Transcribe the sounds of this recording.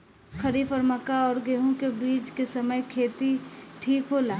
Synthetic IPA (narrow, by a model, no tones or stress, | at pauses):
kʰəɾiːfɔːɾmɐkaɔːɾɡeːɦõkebiːt͡ʃkesɐməjkʰeːt̪iʈʰiːkɦoːlaː